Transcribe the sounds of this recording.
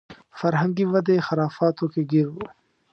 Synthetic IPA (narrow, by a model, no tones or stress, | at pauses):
fɐɾɦə̃ŋɡiʋɐd̪exɐɾaːfaːt̪õkeɡɪɾo